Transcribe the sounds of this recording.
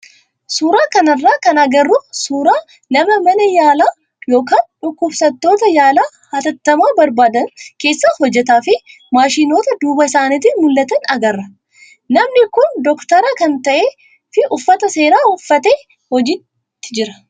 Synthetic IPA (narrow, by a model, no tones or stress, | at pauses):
suːɾaːkɐnɐrːaːkɐnɐɡɐrːʊsuːɾaː | nɐmɐmɐnɐjaːlaː | joːkaːnᶑʊkːʊbsɐt̪ːo̞ːt̪ɐjaːlaː | hɐt̪ɐt̪ːɐmaːbɐɾbaːd̪ɐnke̞ːsːahɔd͡ʒːɛt̪aːfɪ | maːʃiːno̞ːt̪ɐd̪uːbɐɪsaːnɪt̪ɪmʊlːɐt̪ɐnɐɡɐrːɐ | nɐmnɪkʊnd̪ɔkt̪ɐɾɐkɐnt̪ɐʔeː | fɪʔʊfːɐt̪ɐse̞ːɾaːʊfːɐt̪e̞ː | hɔd͡ʒɪt | t̪ːɪ̥d͡ʒɪɾɐ̥